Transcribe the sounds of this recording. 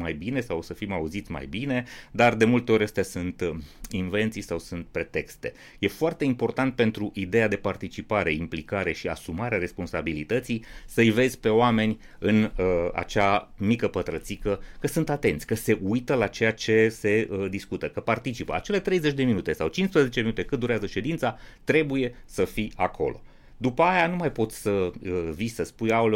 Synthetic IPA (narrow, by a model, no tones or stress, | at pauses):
majbine̞sawsəfimauzit̪sʲma̰jbine̞d̪ard̪e̞mult̪e̞o̞ɾʲəst̪easunt̪inve̞nt̪sijsawsunt̪̚pɾe̞t̪e̞kst̪e̞ | je̞foart̪e̞impo̞rt̪ant̪̚pe̞nt̪ɾuʔid̪e̞jad̪e̞part̪it͡ʃipaɾe̞implikaɾe̞ʃia̰sumaɾeaɾe̞spo̞nsabilit̪ət̪sijsəɨjve̞zʲpe̞oame̞nʲ | ɨnəa̰t͡ʃamikəpət̪ɾət̪sikəkəsɨnt̪at̪e̞nt̪sʲkəse̞ʔujt̪əlat͡ʃe̞jat͡ʃe̞se̞əd̪iskut̪əkəpart̪it͡ʃipəa̰t͡ʃe̞le̞t̪ɾe̞jze̞t͡ʃʲd̪e̞minut̪e̞sawt͡ʃinspɾəze̞t͡ʃeminut̪e̞kɨt̪̚d̪uɾeazəʃe̞d̪int̪sat̪ɾe̞buje̞səfiakʰo̞̰lo̞̰ | d̪upəajanumajpo̞t̪sʲsəvisəspujal